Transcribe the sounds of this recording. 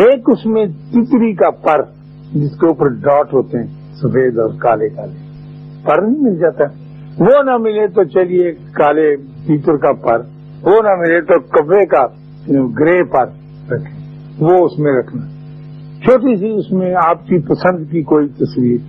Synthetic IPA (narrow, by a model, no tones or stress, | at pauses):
eːkʊsmẽt̪it̪ɾikapəɾ | d͡ʒɪskeupəɾɖɔːʈɦoːt̪eɦɛ̃ | səfeːd̪ɔːɾkaːlekaːle | pəɾnĩmɪld͡ʒaːt̪aɦɛ | ʋoːnamɪlet̪ot͡ʃəlie | kaːle | t̪iːt̪əɾkapəɾ | ʋoːnamɪlet̪okəbeka | ɡɾeːpəɾ | ɾɐkʰe | ʋoʊsmẽɾɐkʰna | t͡ʃʰoːʈisiʊsmẽaːpkipəsə̃nd̪kikoːit̪əsʋiːɾ